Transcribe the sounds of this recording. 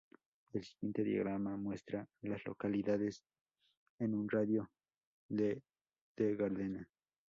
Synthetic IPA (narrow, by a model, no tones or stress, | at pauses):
elsi̥ɣjent̪eðja̰ɣɾamamwe̞st̪ɾalaslo̰kaliðaðes | enunraðjo | ðe | d̪̥eɣaɾðena